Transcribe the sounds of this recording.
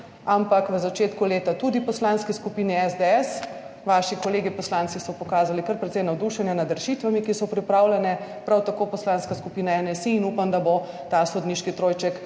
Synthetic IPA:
ampakʋəzat͡ʃeːt̪kuleːt̪at̪ud̪ipɔslanskiskupiːniɛzd̪eɛs | ʋaːʃikɔleːɡipɔslant̪sisɔpɔkaːzalikɐɾpɾɛt̪sɛjnawd̪uʃɛnjɛnad̪ɾʃit̪ʋamikisɔpɾipɾaːwlɛnɛpɾawt̪akoːpɔslanskaskupiːnaɛnɛsiːnuːpamd̪abo | t̪asod̪niːʃkit̪ɾoːjt͡ʃɛk

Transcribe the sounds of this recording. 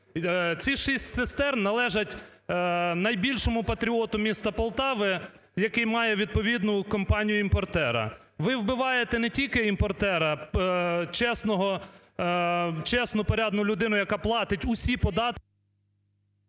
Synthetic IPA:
t͡sʲiʃisʲtʲsest̪ɛrnɐlˠɛʒɐtʲ | nɐjbʲilʲʃɔmʊpɐt̪ɾʲiɔt̪ʊmʲist̪ɐpɔlˠt̪ɑʋɪ | jɐkɪjmɑjɛʋʲid̪̚pɔʋʲid̪nʊkɔmpɑnʲijʊimpɔrt̪ɛɾɐ̰ | ʋɪwbɪʋɑjet̪ɛnɛtʲilʲkɪimpɔrt̪ɛɾɐ | t͡ʃɛsnɔɦɔ | t͡ʃɛsnʊpɔɾʲɑd̪nʊlʲʊd̪ɪnʊjɐkɑplˠɑt̪ɪtʲʊsʲipɔd̪ɑt̪

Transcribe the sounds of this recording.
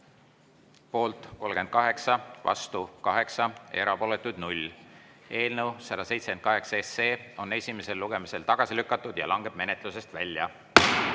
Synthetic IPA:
po̞ːlt̪ˑko̞lɡ̥e̞nd̪̥̚kɑɦe̞ksɑvɑ̰st̪ukɑɦe̞ksɑe̞ɾɑpo̞le̞t̪ːˑud̪̥nulʲː | e̞ːlnəwsɑd̪ɑse̞jt̪se̥ken̚kɑɦe̞ksɑeseːo̞ne̞sʲime̞se̞lːuɡ̥e̞mise̞lt̪ɑɡ̥ɑsilykːˑɑt̪ːˑud̪̥jɑ̰lɑŋɡ̥e̞b̥̚me̞ne̞t̪ˑlus̬e̞st̪vælʲːjɑ̰

